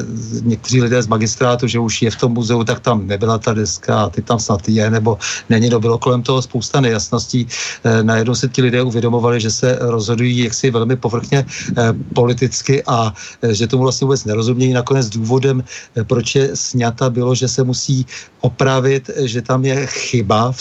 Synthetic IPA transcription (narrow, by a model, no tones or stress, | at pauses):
ɲɛkt̪ɛriːlɪdɛːzmaɡɪst̪ɾaːt̪uʒɛuʃjɛft̪o̞mːuzɛut̪ak̚t̪amnɛbɪlat̪adɛskaːt̪ɪt̪amsnat̪ijɛnɛbo̞nɛɲɪnobɪlo̞ko̞lɛmt̪oɦospo̞wst̪anɛjasno̞sciːnajɛdnowsɪcɪlɪdɛːʔuvjɛdo̞mo̞valɪʒɛsɛɾozɦo̞dujiːjaksɪvɛlmɪpo̞vr̩xɲɛpo̞lɪt̪̬ɪt͡skɪʔa | ʒɛt̪omuvlastɲɛvubɛt͡snɛɾo̞zumɲɛjiːnako̞nɛd͡zduːvo̞dɛmpɾot͡ʃjɛsɲat̪abɪlo̞ʒɛsɛmusiːʔopɾavɪt̪ʒɛt̪amjɛxɪba